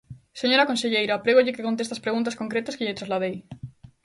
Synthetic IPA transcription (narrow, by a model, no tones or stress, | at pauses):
seɲoɾakonseʎejɾaːpɾeɣoʎɪkekont̪est̪aspɾeɣũnt̪askõ̞ŋkɾet̪askeʎet̪ɾazlað̞ej